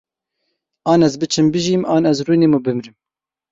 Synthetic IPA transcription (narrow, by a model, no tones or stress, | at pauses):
ɑːnɛzbɨt͡ʃʰɨmbɨʒiːmʔɑːnɛzruːneːmubɨmɾɨm